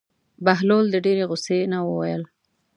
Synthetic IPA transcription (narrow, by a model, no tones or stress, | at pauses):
baɦlold̪əɖeɾeɣʊsenawə̰wa̰jəl